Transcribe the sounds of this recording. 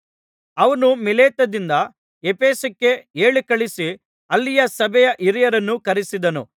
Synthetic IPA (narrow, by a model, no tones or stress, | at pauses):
ɐʋɐnumileːt̪ɐd̪ind̪ɐ | epeːsɐkːe̞eːɭikɐɭisi | ɐlːijɐsɐbʱɛjɐʔiɾijɐɾɐnːukɐɾisid̪ɐnṵ